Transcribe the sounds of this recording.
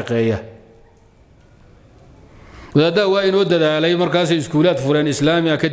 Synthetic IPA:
ɐqɛːjɐ | wɐðaːd̪awɑːɪnɔːd̪ɐðaːlɛjmɐrkʰaːs̬ɛjɪskʰuːlaːd̪fʊɾɛːnɪslaːmɪɐkʰɐ

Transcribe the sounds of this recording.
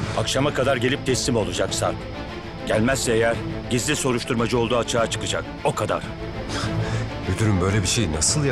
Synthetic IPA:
akʃamakʰad̪aɾɟe̞lʲip̚t̪ʰɛst̪ːimo̞lˠud͡ʒaksa̰ | ɟælʲmæsːɛejæɾɟizlʲiso̞ɾuʃt̪ʰuɾmad͡ʒɯo̞lˠd̪uːat͡ʃʰaːt͡ʃʰɯ̥kɯd͡ʒak | o̞kʰad̪a̰ɾ̥ | jyt̪ʰyɾymbø̞jlʲɛbiʃejnasɯlˠj

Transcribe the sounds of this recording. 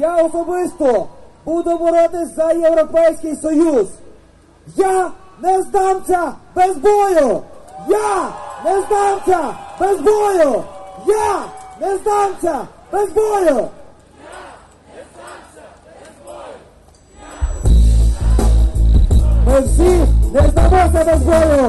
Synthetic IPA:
jaɔsɔbɪst̪ɔbud̪ʊmɔɾɔd̪ɪzɐjewɾɔpɛjsʲkɪjsɔjuz | janɛzd̪awsʲɐbɛzbɔjʊjanɛzd̪awsʲɐbezbɔjʊjanɛzd̪awsʲabɛzbɔjɔ | bɛzsʲinɛzd̪amɔt̪ʲɛbɛzbɔjɔ

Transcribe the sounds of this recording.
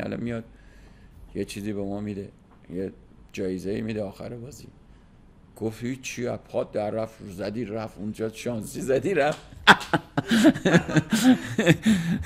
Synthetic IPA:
æ̰lɒ̰mijɒd̪̥̚ | jet͡ʃʰiːziːbemɒːmid̪e | je | d͡ʒɒːjezeḭmid̪eɒːxæ̰ɾebɒːzḭ | ɡ̥ofthit͡ʃʰiæpʰɒd̪æɾːæfzæd̪iɾæfund͡ʒɒʃɒnsizæd̪iɾæf

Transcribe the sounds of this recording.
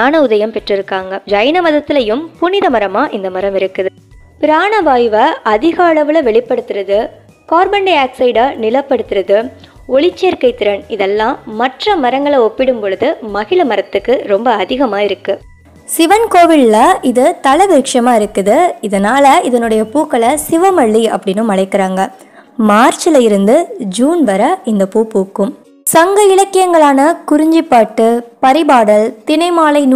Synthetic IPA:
aːnɐʊðɐjɐmpɛʈrɪɾɯkːaːŋɡɐd͡ʒɐjɐnɐmɐðɐt̪ːɪlɐjɯmpʊnɪðɐmɐɾɐmaːʔɪnd̪ɐmɐɾɐmɪɾɯkːɯðɯ | pɪɾaːɳɐʋaːjʋɐʔɐðɪɣɐːɭɐʋɯlɐʋɛɭɪpːɐɽɯt̪ːɪɾɐðɯ | kaːɾbɐɳɖeaːksɐɪɖaːnɪlɐpːɐɽɯt̪ːɯɾɐðɯ | ɔɭɪt͡ʃːeːɾkɐɪt̪ːɪɾɐnɪðɛlːãːmɐʈrɐmɐɾɐŋɡɐɭɐɔpːɪɽɯmpɔɻɯðɯmɐɣɪɭɐmɐɾɐt̪ːɯkːɯɾɔmbɐːðɪɣɐmaːɪɾɯkːɯ | sɪʋɐnkoːʋɪɭːɐʔɪðɯt̪ɐlɐʋɪɾkʂɐmaːɪɾɯkːɯðɯɪðɐnaːlɐɪðɐnɯɽɐjɐpuːkːɐɭɐsɪʋɐmɐɭːiɐ̰pːɐɽɪnːɯmɐɭɐɪkːɪɾaːŋɡɐ | maːɾt͡ʃɪlɐjɪɾɯnd̪ɯd͡ʒuːnʋɐɾɐɪnd̪ɐpuːpuːkːɯm | sɐŋɡɐɪɭɐkːɪjɐŋɡɐɭaːnɐkʊɾɪɲd͡ʒɪpːaːʈːɯpɐɾɪbaːɽɐlt̪ɪnɐɪmaːlɐɪn

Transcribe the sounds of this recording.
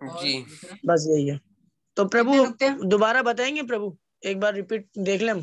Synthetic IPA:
d͡ʒibɐs̬jɐɦiɛː | t̪opɾɐbud̪obaːɾabɐt̪aːẽːŋɡep̬ɾɐbu | eːk̚baːɾːɪpiːʈ̚d̪eːkʰlẽm

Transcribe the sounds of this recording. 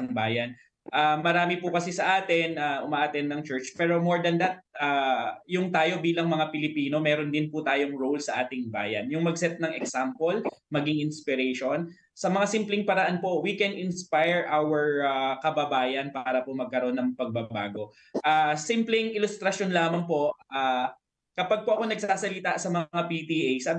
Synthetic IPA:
ɐŋbaːjɐn | ʔaːmɐɾaːmɪpʊkɐsɪsɐʔaːt̪ɪnaʔʊmaʔat̪ɛnːɐŋt͡ʃɛɹt͡ʃpɛːɾo̞moɹd̪ɐnd̪ɐt̪̚ʔaːjʊŋt̪aːjo̞biːlɐŋmɐŋapɪlɪpiːno̞mɛːɾo̞nd̪ɪnpʊt̪aːjoŋɹowlsɐʔaːt̪ɪŋba̰ːjɐ̰njʊŋmɐɡsɛt̪̚nɐŋɛksampolmɐɡɪŋʔɪnspɪɾɛʃon | sɐmɐŋasimplɪŋpɐɾɐʔanpo̞wikɛnɪnspajɹʔawɛɹakɐbɐbaːjɐnpaːɾɐpomɐɡ̚kɐɾo̞nːɐŋpɐɡ̚bɐba̰ːɡo̞ | ʔaːsimplɪŋʔɪlʊst̪ɾɐʃonlaːmɐŋpo̞ʔʔaː | kɐpaɡ̚poʔɐko̞nɐɡ̚saːsɐlit̪aʔsɐmɐŋŋapit̪iʔejsab

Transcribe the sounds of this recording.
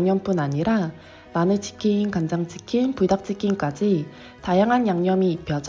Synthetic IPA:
ŋɲʌmp͈unaɲiɾa | manɯt͡ɕi̥kʰiːnkand͡ʑaŋt͡ɕi̥kʰinpudak̚t͡ɕ͈ikʰink͈ad͡ʑi | tajaŋɦanjaŋɲʌmiːpʰjʌd͡ʑ

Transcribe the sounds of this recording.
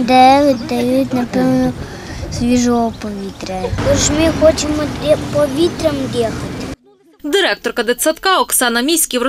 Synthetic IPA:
d̪ɛʋɪt̪̚ʲd̪ɐjut̪ʲnɐpɛwnɔ | sʋʲiʒɔɔpɔʋʲit̪ɾɛt̪ɔʒmɪxɔt͡ʃemɔpɔʋʲit̪ɾɛmd̪ʲjɛxɐt̪ɪ̥ | d̪ɪɾɛk̚t̪ɔrkɐd̪ɪt̪sɐt̪kɑɔksɑnɐmʲisʲkʲiwrɔ

